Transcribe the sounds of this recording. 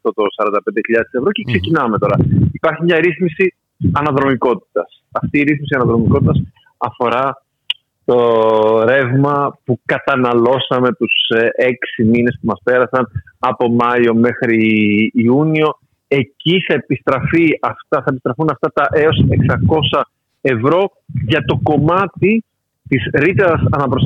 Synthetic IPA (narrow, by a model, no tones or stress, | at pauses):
ɐft̪o̞t̪o̞sɐɾɐnd̪ɐpnd̪eçiʎɐðesevɾo̞ce̞kse̞cinɐme̞t̪o̞ɾɐipɐɾçimɲɐɾiθmisi | ɐnɐðɾo̞miko̞t̪̚i̥t̪ɐs | ɐft̪iːɾiθmis̬iɐnɐðɾo̞miko̞t̪it̪ɐs | ɐfo̞ɾɐ | t̪o̞ɾe̞vmɐpukɐt̪ɐnɐlo̞sɐme̞t̪usʔe̞ksimine̞spumɐspe̞ɾɐsɐnɐpo̞mɐio̞me̞xɾiː | unio̞ | e̞ciθɐepist̪ɾɐfiɐft̪ɐθɐepist̪ɾɐfunɐft̪ɐt̪ɐʔe̞o̞se̞ksɐko̞sɐ | e̞vɾo̞ | ʝɐt̪o̞ko̞mɐt̪i | t̪isɾit̪eɐsɐnɐpɾos